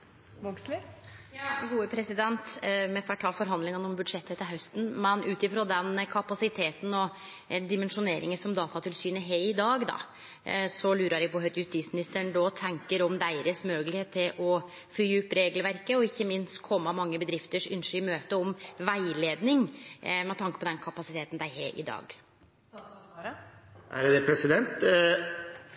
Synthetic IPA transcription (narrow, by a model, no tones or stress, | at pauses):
ɔɡslɪjɑːɡuːəpʰɾɛsɪd̪ɛnt̪mɛfæʈʰɑːlfɔɾɦɑnd̪lɪŋənɔmbʉd̪ʂɛt̪ːɛt̪ːɪɦœst̪n̩mɛnʉːt̪ɪfɾoːd̪ɛnkʰɑpɑsɪt̪ʰeːt̪n̩ɔ | d̪ɪmɛnʂʊneːɾɪŋənsɔmd̪ɑːt̪ɑt̪ʰɪlsyːnəɦeɪd̪ɑːɡd̪ɑ̰ | sɔlʉːɾɑɾjæɡpɔɦœt̪jʉst̪iːt̪smɪnɪst̪əɳd̪ɔt̪ʰɛŋkəɾɔmd̪æɪɾəsmøːɡlɪheːt̪ʰːɪlʔɔ | fɾyːʉpːɾeːɡlʋæɾkəɔɪçːəmɪnst̪kʰɔmːəɑmɑŋːəbəd̪ɾɪft̪əʂʉ̰nʂʏmøːt̪əɔmʋæɪleːd̪nɪŋmɛt̪ʰɑŋkəpʰɔd̪ɛnkʰɑpɑsɪt̪eːt̪n̩d̪æɪɦḛːʔɪ̰d̪ɑ̰ːɡ | ʔæɾd̪ɛpʰɾɛsɪd̪ɛnt̪